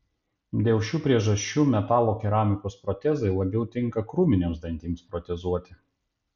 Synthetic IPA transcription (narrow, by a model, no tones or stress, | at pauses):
d̪ʲeːʊʃʲuːpʲɾʲiɛʒɐʃʲt͡ʃʲːuːmʲɛt̪ɑːlˠoːkʲɛɾaːmʲɪkoːspɾɔt̪ʲɛzɐɪlˠɐbʲɛʊt̪ʲɪŋˑkɐkɾuːmʲɪnʲeːmsd̪ɐnʲt̪ʲiːmspɾɔt̪ʲɛzuɔt̪ʲɪ